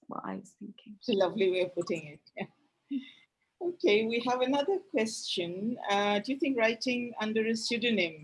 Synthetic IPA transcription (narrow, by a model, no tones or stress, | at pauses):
wə̰la̰ɪwʌz̥θɪ̃ŋkɪ̃lʌvliwiəpʊtɪ̃ŋɪt̚jæ | oʊkʰeɪwiəvɨnʌðə˞kʰw̥ɛst͡ʃɨ̃nʌdɨjɨθɪ̃ŋkɹaɪtɪ̃ŋʌ̃ndə˞ɨsʉdɨnɪ̃m